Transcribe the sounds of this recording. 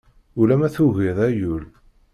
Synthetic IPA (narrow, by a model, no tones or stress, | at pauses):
ulæmæθuʝiðˤæjul